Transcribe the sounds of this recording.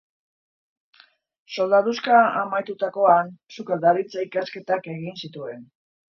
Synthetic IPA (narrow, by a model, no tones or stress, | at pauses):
so̞ld̪aðuskaamajt̪ut̪ako̞ansukald̪aɾit͡saikaske̞t̪ake̞ɣinsit̪ue̞n